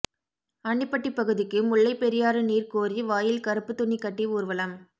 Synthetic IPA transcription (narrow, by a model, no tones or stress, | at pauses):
ɐɳːɪpːɐʈːipːɐɣɯðɪkːɯmʊɭːɐɪpːɛɾɪjaːɾɯniːrkoːriʋaːjɪlkɐɾɯpːɯt̪ʊɳːikːɐʈːiuːɾʋɐlɐm